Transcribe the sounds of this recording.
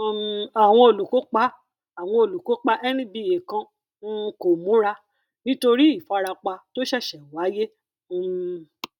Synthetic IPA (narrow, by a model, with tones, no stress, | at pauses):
a˨w̃ɔ̃˧o˨lu˨ko˨˦k͡pa˦ | a˨w̃ɔ̃˧o˨lu˨ko˨˦k͡pa˦ʔɛ˦nĩ˦bi˧˨je˨kã˧˦˧ | ko˨mũ˨˦ɾa˧ | nĩ˦to˧ɾi˦i˦˨fa˧ɾa˧k͡pa˧to˦ʃɛ˦˨ʃɛ˨wa˨˦jẽ˦˧